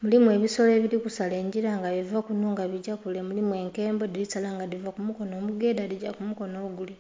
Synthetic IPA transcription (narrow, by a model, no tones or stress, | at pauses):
mulimwe̞ːβiso̞le̞ːβiɾikusale̞ːɲɟiɾaŋɡaβivakunuːŋɡaβiɟakule̞mulimwe̞ːŋke̞ːmbodilitalaːŋɡadivakumuko̞no̞ːmuɡe̞ːdadiɟakumuko̞noɡule